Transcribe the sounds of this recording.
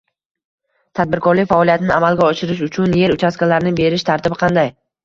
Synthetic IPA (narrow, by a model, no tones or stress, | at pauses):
t̪ʰad̪̚bɪɾkʰɒɾlɪkʲfaɒlijat̪ɪnɪʔamalˠɡʲaɒʃɪɾɪʃ̬ʊt͡ʃʰʊnje̞ɾʊt͡ʃʰaskʲalaɾɪnɪbe̞ɾɪʃt̪ʰaɾt̪ʰɪbɪqʰɑnd̪aj